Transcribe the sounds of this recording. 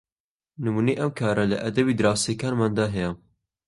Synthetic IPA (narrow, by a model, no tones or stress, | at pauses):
nɨmuːnejʔɐmkʰɑːɾɐlɐ̰ʔɐd̪ɐbiːd̪ɨɾɑːsekɑːnmɑːnd̪ɑːɦɛjɛ